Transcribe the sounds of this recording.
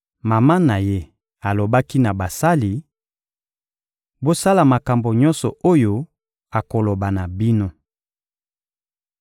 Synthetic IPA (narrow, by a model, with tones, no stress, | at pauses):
ma˨ma˦na˨je˦ | a˨lo˨ba˦ki˦na˨ba˨sa˦li˨ | bo˦sa˦la˨ma˨ka˨mbo˨ɲɔ̃˦nsɔ˨o˦jo˦ | a˨ko˨lo˨ba˨na˨bi˦no˦